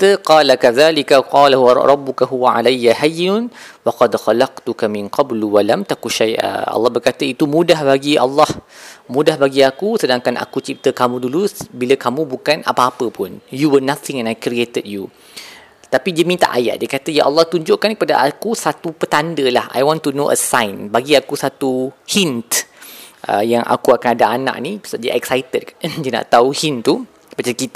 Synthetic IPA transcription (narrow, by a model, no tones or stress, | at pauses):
t̪əqɑːlakaðalikaqɑːlaɦwɾˤɑbːʊkaɦuwaʕa̰lajːaɦajnʊnwɑqɑdxalɑqt̪ukamɪ̃nqɑblwalamt̪akuʃajʔa̰ɑ̰lːɑhbərkat̪əit̪umũdahbaɡiʔɑ̰lːɑhmũdahbaɡiakusədaŋkanʔa̰kut͡ʃit̪əkamũdulubiləkamũbukana̰paːpəpʊnjuwənaθɪ̃ŋɛ̃najkɾiet̪əd̚ju | t̪apidəmint̪a̰ʔaja̰ʔdiəkat̪əjaʔɑlːɑht̪uɲd͡ʒʊʔkankəpadaʔakusat̪upət̪andəlaha̰jwɔ̃nt̪unoʔə̰sãjnbaɡiakusat̪uhint̪ʔə̰jaŋʔa̰kuakanadaanã̰ʔ̚ni̥saʔdiʔɛksajt̪əd̚dəna̰ʔt̪auhint̪u | bat͡ʃaləkit̪